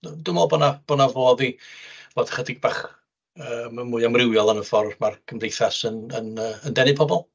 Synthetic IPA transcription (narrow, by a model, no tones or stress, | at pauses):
dʊmɔlˠbɔnab̥ɔnavoːðivoːd̥ḁχədɪɡ̚baχ | əːməmʊːɨamrɪwjɔlˠanəfɔrdmarɡ̥ʰəmdejθasənənəːəndɛnɨpʰɔbɔlˠ